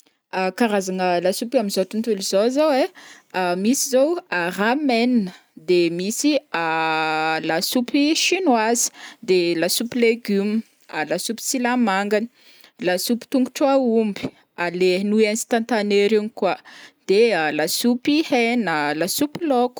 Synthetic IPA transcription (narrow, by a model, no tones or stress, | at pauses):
akaɾazanəlasupamizot̪unt̪ulizozowe | amisizowaramennə | d̪emisia | lasupiʃinwazi̥d̪elasupileɡum | alasupi̥t͡silamaŋɡani̥ | lasupi̥t̪uŋɡuʈ͡ʂwaumbi̥ | alenuɛ̃nst̪ant̪aneɾiɲikwad̪̥ealasupihenəlasupiloku̥